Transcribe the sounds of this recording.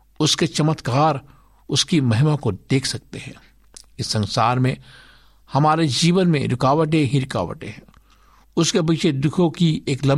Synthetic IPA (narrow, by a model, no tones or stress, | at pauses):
ʊsket͡ʃɐmət̪kaːɾ | ʊskimɐɦɪmakod̪eːkʰsɐk̚t̪eɦɛ̰̃ː | ɪsːɐ̃nsaːɾmẽ | hɐmaːɾed͡ʒiːʋənmḛ̃ɾɪkaːʋəʈ̬ẽɦĩɾɪka̰ːʋə̰ʈḛ̃ɦɛ̃ː | ʊskebiːt͡ʃʰed̪ʊkʰõkieːklɐ̃m